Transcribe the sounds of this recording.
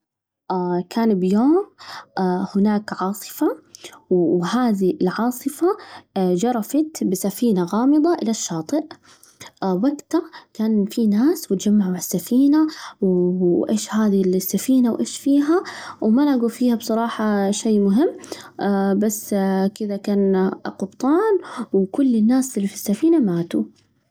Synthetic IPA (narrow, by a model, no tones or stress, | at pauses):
ʔakʰaːnbjoːmː | hɪnaːkʕɑːsˤɨ̥fa | whaːðiɪlʕɑːsˤɨfad͡ʒɑɾˤɑfɑt̪bɪsafiːnaɣɑːmɨd̪ˤɑʔɪlaʃːɑːt̪ˤɨʔ | wakt̪ɑkaːnfinaːswɪt̪d͡ʒamːaʕuaʕasːafiːnawʔḛːʃhaːðilsːafiːnawʔeːʃfiːɦawmanaʔɡufiːhabsˤɑɾˤɑːħɑʃeːmʊɦɪmː | basːkɪðakaːnqʊbt̪ˤɑːnwkʊlːɪnːaːsɪlːifi̥sːafiːnamaːt̪u